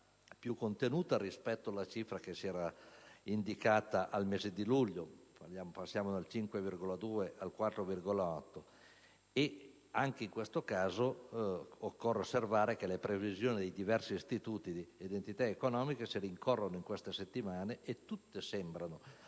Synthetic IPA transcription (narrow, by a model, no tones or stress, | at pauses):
pjukːont̪enuːt̪aɾispɛt̪ːoalːat͡ʃifɾak̟esiɛːɾaind̪ikaːt̪aʔalmeːzed̪iluʎːopajaːmopasːjaːmod̪alt͡ʃiŋkwevirɡolad̪uːeʔalkwat̪ːɾovirɡolaɔt̪ːo | e | aŋk̟eiŋkwest̪okaːzo | okːorːeosːervaːɾekelepɾevizjoːnid̪ejd̪ivɛrsiːst̪it̪uːt̪id̪iid̪ent̪it̪aekonɔːmikesiɾiŋkorːonoiŋkwest̪eset̪ːimaːneʔet̪ːut̪ːesɛmbɾano